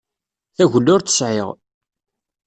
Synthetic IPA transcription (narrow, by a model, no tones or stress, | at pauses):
θæʝlːʊɾθə̥sʕɪʁ